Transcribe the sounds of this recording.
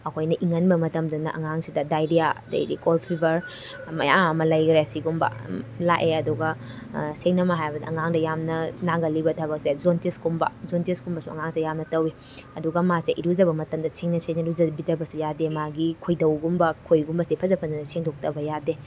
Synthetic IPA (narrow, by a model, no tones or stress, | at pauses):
ɐkʰojnɐʔiŋɐnbɐmɐtɐmdɐnɐʔɐ̰ŋaŋsidɐdajdiada̰jdḭkolpʰibɐɾ | mɐ̰jaɐmɐlɐjkɾjasiɡumbɐ̰laʔeɐduɡɐ | seŋnɐmɐɦajbɐdɐʔɐŋaŋdɐjamnɐnaɡɐlibɐtʰabɐk̚sed͡ʒontiskumbɐ̰zonteskumbɐsuɐ̰ŋaŋsidɐjamnɐtɐwi | ɐduɡɐmaseʔiɾuzɐbɐmɐtɐmdɐseŋnɐseŋnɾuzɐbitɐbɐsujademaɡikʰojdɐwɡumbɐkʰojɡumbɐsepʰɐzɐpʰɐndɐnɐseŋdok̚tɐbɐjade